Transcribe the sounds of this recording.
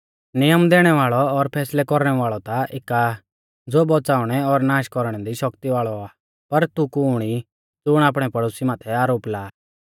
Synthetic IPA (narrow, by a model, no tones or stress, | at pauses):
nɪjəmd̪ɛːɽ̃ɛʋaːɭɔɔɾpʰɛːslɛkɔɾɽ̃ɛʋaːɭɔt̪aʔɪka | d͡zoːbɔt͡saːʊɽ̃ɛɔɾnaːʃkɔɾɽ̃ɛd̪iʃɔkt̪iʋaːɭɔaː | pɐɾt̪ukuɽ̃i | d͡zʊɽ̃aːp̬ɽ̃ɛpɐɽoːsimaːt̪ʰɛaːɾoːplaː